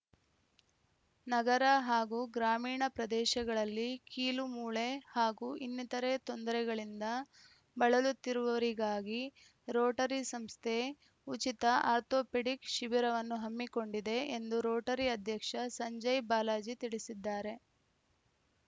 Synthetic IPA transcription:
nɐɡɐɾɐɦaːɡuːɡɾaːmiːɳɐpɾɐd̪ɛːʃɐɡɐɭɐlːikiːlumuːɭe̞haːɡuːʔinːit̪ɐɾe̞t̪o̞nd̪ɐɾɛɡɐɭind̪ɐ | bɐɭɐlut̪ːiɾuʋɐʋɐɾiɡaːɡi | ɾoːʈɐɾisɐmst̪ʰe | ut͡ʃit̪ɐʔaːɾt̪oːpeɽikʃiʋiɾɐʋɐnːuɦɐmːiko̞ɳɖid̪e̞end̪uɾoːʈɐɾiɐd̪ʱjɐkʂɐsɐɲd͡ʒɐjbaːlaːd͡ʒit̪iɭisid̪ːaːɾe̞

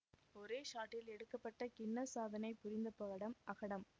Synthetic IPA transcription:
ɔɾeːʂaːʈːɪlɛɽɯkːɐpːɐʈːɐkɪnːɐsaːðɐnɐɪpʊɾɪnd̪ɐpːɐɣɐɽɐmɐɣɐɽɐm

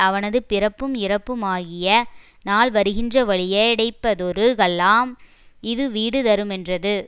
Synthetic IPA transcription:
ɐʋɐnɐðɯpɪɾɐpːɯmɪrɐpːɯmaːɣɪjɐ | naːlʋɐɾɯɣɪndrɐʋɐɭɪjɐɪɽɐɪpːɐðɔɾɯɣɐɭːaːm | ɪðɯʋiːɽɯt̪ɐɾɯmɛndrɐðɯ

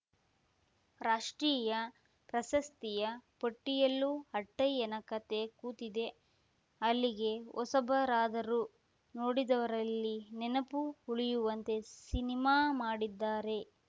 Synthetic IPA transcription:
ɾaːʂʈɾiːjɐ | pɾɐʃɐst̪ijɐpɐʈːijɐlːuɦɐʈːɐjɛnɐkɐt̪e̞kuːt̪id̪e̞ | ɐlːiɡe̞ɔsɐbʱɐɾaːd̪ɐɾu | noːɽid̪ɐʋɐɾɐlːinɛnɐpuuɭijuʋɐnt̪e̞sinimaːmaːɽid̪ːaːɾe̞

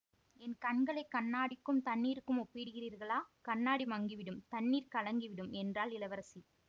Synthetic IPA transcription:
ɛnkɐɳɡɐɭɐɪkːɐnːaːɽɪkːɯmt̪ɐnːiːɾɯkːɯmɔpːɪɽɯɣɪriːɾɣɐɭaːkɐnːaːɽimɐŋɡiʋɪɽɯmt̪ɐnːiːɾkɐɭɐŋɡiʋɪɽɯmɛndraːlɪlɐʋɐɾɐsi

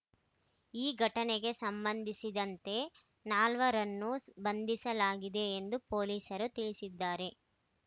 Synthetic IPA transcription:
iːɡʱɐʈɐneɡe̞sɐmbɐnd̪ʱisid̪ɐnt̪e̞ | naːlʋɐɾɐnːusbɐnd̪ʱisɐlaːɡid̪e̞ːnd̪upo̞ːliːsɐɾut̪iɭisid̪ːaːɾe̞

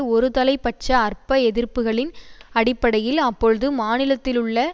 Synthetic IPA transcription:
ɔɾɯt̪ɐlɐɪpːɐʈ̚t͡ʃːɐːrpɐɛðɪrpɯɣɐɭɪnɐɽɪpːɐɽɐjɪlɐpːɔɻɯðɯmaːnɪlɐt̪ːɪlɯɭːɐ

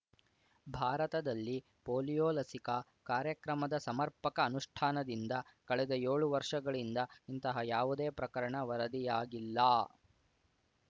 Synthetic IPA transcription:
bʱaːɾɐt̪ɐd̪ɐlːi | poːlijoːlɐsikɐ | kaːɾjɐkɾɐmɐd̪ɐsɐmɐɾpɐkɐːnuʂʈʰaːnɐd̪ind̪ɐkɐɭɛd̪ɐjeːɭuʋɐɾʂɐɡɐɭind̪ɐint̪ɐɦɐjaːʋud̪e̞ːpɾɐkɐɾɐɳɐʋɐɾɐd̪ijaːɡilːɐː

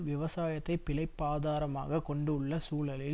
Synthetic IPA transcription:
ʋɪʋɐsaːjɐt̪ːɐɪpːɪlɐɪpːaːðaːɾɐma̰ːɣɐkɔɳɖɯʊɭːɐsuːlɐlɪ

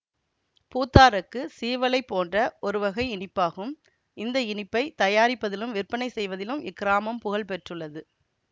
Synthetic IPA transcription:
puːt̪ːaːɾɐkːɯsiːʋɐlɐɪpːoːndrɐʔɔɾɯʋɐɣɐɪɪnɪpːaːɣɯm | ʔɪnd̪ɐɪɳɪpːɐɪt̪ɐjaːɾɪpːɐðɪlɯmʋɪrpːɐnɐɪsɛjʋɐðɪlɯmɪ̰kːɪɾaːmɐmpʊɣɐɭpɛʈrɯɭːɐðɯ

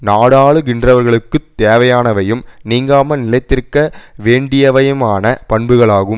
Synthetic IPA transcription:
naːɽaːɭɯɡɪndrɐʋɐɾɣɐɭɯkːɯt̪ːeːʋɐjaːnɐʋɐjɯmniːŋɡaːmɐnɪlɐɪt̪ːɪɾkɐʋeːɳɖɪjɐʋɐjɐmaːnɐpɐɳbɯɣɐɭaːɣɯm

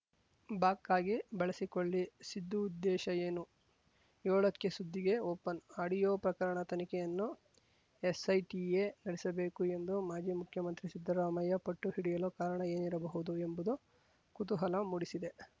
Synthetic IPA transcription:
baːkːaːɡibɐɭɐsikoɭːisid̪ːuːd̪ːɛːʃɐjeːnu | joːɭɐkːesud̪ʱːiɡe̞oːpɐnaːɽijoːpɾɐkɐɾɐɳɐt̪ɐnikɛjɐnːu | esɐjʈijeːnɐɽisɐbe̞ːkue̞nd̪umaːd͡ʒiːmukʰjɐmɐnt̪ɾisid̪ːɐɾaːmɐjɐpɐʈːuhiɽijɐloːkaːɾɐɳɐe̞ːniɾɐbɐɦud̪uembud̪u | kut̪uɦɐlɐmuɽisid̪e̞

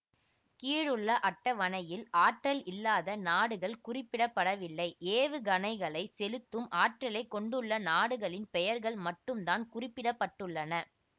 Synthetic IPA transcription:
kiːɻɯɭːɐʔɐʈːɐʋɐnɐjɪlʔaːʈrɐlɪlːaːðɐnaːɽɯɣɐɭkʊrɪpːɪɽɐpːɐɽɐʋɪlːɐɪʔeːʋɯɡɐnɐɪɣɐɭɐɪsɛlɯt̪ːɯmʔaːʈrɐlɐɪkːɔɳɖɯɭːɐnaːɽɯɣɐɭɪnpɛjɐɾɣɐɭmɐʈːɯmd̪aːnkʊrɪpːɪɽɐpːɐʈːɯɭːɐnɐ

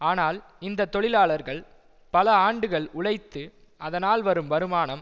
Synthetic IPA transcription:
aːnaːl | ɪnd̪ɐt̪ːɔɭɪlaːɭɐɾɣɐɭ | pɐlɐaːɳɖɯɣɐɭʊɭɐɪt̪ːɯ | ʔɐðɐnaːlʋɐɾɯmʋɐɾɯmaːnɐm

